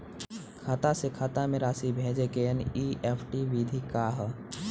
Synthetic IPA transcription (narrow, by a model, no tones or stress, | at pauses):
kʰaːt̪asekʰaːt̪amẽɾaːsibʱeːd͡ʒekeəniʔeːpʰʈiʋid̪ʱikaːɦ